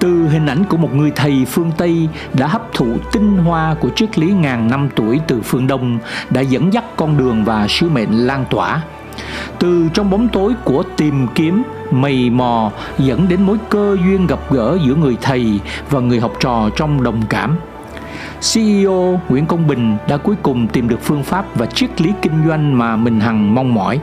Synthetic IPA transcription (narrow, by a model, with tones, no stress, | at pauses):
t̪ɨ˨˩ɦï˨˩ŋ̟ʔa˧˩j̟ku˧˩əmo˨˩t̚ŋɨ˨˩əjt̪ʰə˨˩jfɨ˧əŋt̪ə˧j | ɗa̰ː˧˥ɦə˦˥p̚t̪ʰṵ˧˨t̪ï˧ŋɦwaː˧ku˧˩ət͡ɕɨ˦˥ək̚li˨˦ŋaː˨˩nna˧mt̪u˧˩əjt̪ɨ˨˩fɨ˧əŋɗə˧wŋ͡mɗa̰ː˧˥zə̰˧˥nza˦˥k̚kɔ˧nɗɨ˨˩əŋvaː˨˩sɨ˨˦mḛ˧˨nlaː˧nt̪wa̰ː˧˩ | t̪ɨ˨˩t͡ɕɔ˧wŋ͡mɓwŋ͡mt̪o˨˦jku˧˩ət̪i˨˩mki˨˦əm | mə˨˩jmɔ˨˩ | zə̰˧˥nɗe˨˦nmo˨˦jkəː˧zwi˧ənɣə˨˩p̚ɣə̰ː˧˥zɨ̰˧˥əŋɨ˨˩əjt̪ʰə˨˩jvaː˨˩ŋɨ˨˩əjɦɔ˨˩wp̚t͡ɕɔ̰˧˨t͡ɕɔ˧wŋ͡mɗə˨˩wŋ͡mka̰ː˧˩m | si˧ʔi˧ʔo˧ŋwḭ˧˥ənkə˧wŋ͡mɓï˨˩ŋ̟ɗa̰ː˧˥ku˨˦əjkʊ˨˩ŋ͡mt̪i˨˩mɗɨ˨˩ək̚fɨ˧əŋfaː˦˥p̚vaː˨˩t͡ɕi˦˥ət̚li˨˦kï˧ŋ̟zwa˧jŋ̟maː˨˩mï˨˩ŋ̟ɦa˨˩ŋma˧wŋ͡mmɔ̰˧˩j